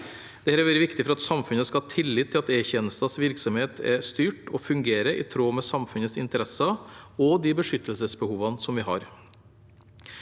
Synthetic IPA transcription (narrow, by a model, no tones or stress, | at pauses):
d̪̥ɛhæːɾɛɾʋɛɾəʋɪkt̪ɪfɔɾɑt̪sɑmfʉnəskɑhɑːt̪ʰɪlːɪt̪ʰːɪlɑt̪eːçɛnəsɑsʋɪɾksɔmheːt̪ʰɛ̰st̪yːʈɔfʉŋɡeːɾəʔɪ̰t̪ʰɾoːmɛsɑmfʉnət̪sɪnt̪əɾɛsɑɔd̪ɪbəʂʏt̪ːəlsəsbəhuːʋɑnsɔmʋɪɦɑ̰ːɾ